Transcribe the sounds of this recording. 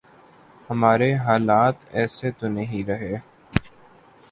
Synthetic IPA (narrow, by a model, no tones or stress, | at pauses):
həmaːɾeɦaːlaːt̪ɛːset̪onəɦĩɾəɦeː